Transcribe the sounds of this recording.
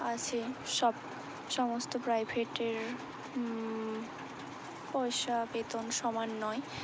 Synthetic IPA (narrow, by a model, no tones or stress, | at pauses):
at͡ɕʰeʃɔb | ʃɔmost̪opɾajbʱeʈeɾ | pɔjʃabet̪onʃɔmanːɔe